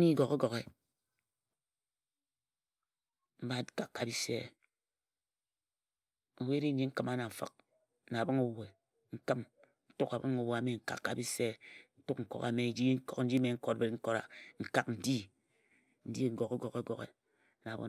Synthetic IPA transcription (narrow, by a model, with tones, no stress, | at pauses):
mi˦ɡo˨ke˦ɡo˨ɣe˦ | m̩˦ba˦ka˨kːa˨bi˦sḛ˦˨ | o˨we˦ɾi˦ɲi˦ŋ̩˦kɨ˦ma˦na˨ɱ̩˨fɨ̰˨k̚ | na˨bɨ˦ŋu˦we˨ | ŋ̩˦kɨ˦m | n̩˦tu˦ka˨bɨ˦ŋu˨˦wo˨a˨˦me˨ŋ̩˦ka̰˨kːa̰˨bi˦se˦˨n̩˦tu˦k̚ŋ̩˨ko̰˨ka̰˨me˨˦d͡ʒi˦ŋ̩˦kɔ˨kn̩˦d͡ʒi˦me˨ŋ̩˦ko˦tbe˨tŋ̩˦ko˦˨ɾa̰˨ŋ̩˨ka˦kn̩˨di˦ | n̩˦di˦ŋ˦ɡo˨ke˦ɡo˨ke˦ɡo˨kḛ˨ | na˨bo̰˨